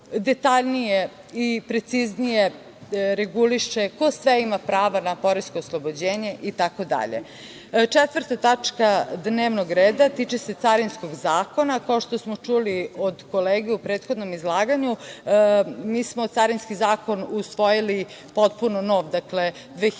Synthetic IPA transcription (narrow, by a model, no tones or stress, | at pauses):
d̪et̪aʎnije | ipɾe̞t̪siznije | ɾeɡuliʃeko̞sʋeimapɾaːʋanapo̞ɾisko̞ːslˠobod͡ʑeːɲe̞ʔit̪ako̞d̪a̰ʎḛ | t͡ʂet̪ʋəɾt̪at̪at͡ʂkad̪neːʋnoɡɾeːd̪at̪it͡ʃeset̪saɾinsko̞ɡzaːko̞nakao̞ʃt̪o̞smo̞t͡ʂuliod̪ko̞leːɡeupɾeːt̪xo̞d̪no̞mizlˠaːɡaɲu | miːsmot̪saɾinskizaːko̞nusʋo̞jili | po̞t̪̚punono̞ːʋd̪akle̞ | d̪ʋeː